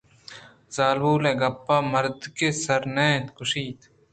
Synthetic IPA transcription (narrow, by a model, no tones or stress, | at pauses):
z̥aːlbuːleːɡɐpːaːmɐɾd̪kesɐɾnẽːt̪kʊʃiːt̪